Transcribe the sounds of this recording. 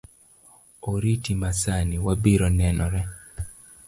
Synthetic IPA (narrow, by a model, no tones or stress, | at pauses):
oɾitimasaniwabiɾɔnɛnɔɾɛ